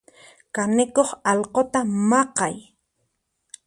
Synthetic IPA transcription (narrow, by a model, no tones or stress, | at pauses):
kanɪkoχɑlqot̪amɑqɑj